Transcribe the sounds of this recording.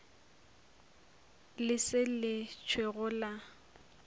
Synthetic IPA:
lɪsɪlɪt͡ʃʰweɣʊla

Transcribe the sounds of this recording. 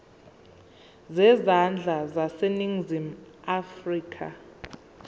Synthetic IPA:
zɛzand͡ɮʱazaseniŋzimafriːkʰa̰

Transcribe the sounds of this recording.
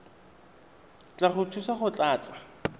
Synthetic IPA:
t͡ɬʼaχʊtʰusaχʊt͡ɬʼaːt͡sʼḁ

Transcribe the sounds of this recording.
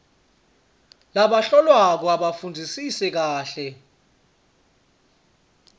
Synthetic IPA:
laɓaɬɔlwak̬ɔaɓafund͡zʱisisɛk̬aːɬɛ

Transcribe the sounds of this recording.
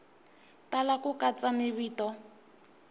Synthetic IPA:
talakʊkat͡samɪβiːtɔ

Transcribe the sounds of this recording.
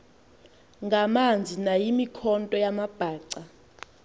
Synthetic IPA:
ŋɡʱamand͡zʱinajimikʰɔntʼɔjamab̥ʱaːǀa

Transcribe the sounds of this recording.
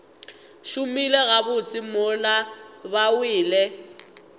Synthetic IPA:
ʃʊmilɛɣabʊt͡sʼɪmʊlabawɪːlɛ

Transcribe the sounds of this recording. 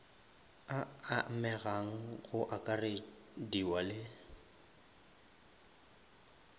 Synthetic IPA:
aamɛɣaŋ̩ɣʊʔakʼare | diwalɪ

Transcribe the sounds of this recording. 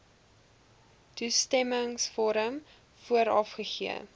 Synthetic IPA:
tustɛməŋsfɔɾəm | fuəɾɐfχəχiə̰

